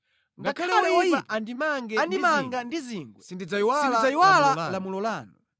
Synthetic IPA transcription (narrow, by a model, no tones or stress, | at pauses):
ŋɡakʰalɛaɛwaaandimaŋɡɛandimaŋɡandiziːŋɡwɛsindid͡zaiwalad͡zaiwalalamulɔlaːnu